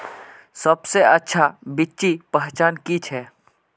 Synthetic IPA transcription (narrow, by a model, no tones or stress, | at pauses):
səbseɐtːʃʰabɪtːt͡ʃipɛɦt͡ʃaːnkit͡ʃʰɛː